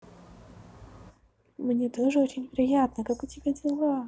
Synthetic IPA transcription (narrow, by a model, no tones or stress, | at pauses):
mnʲet̪oʐɨo̞t͡ɕɪnʲvʲɪɾʲɪjat̪̚nəkakʊtʲɪbʲadʲɪlˠa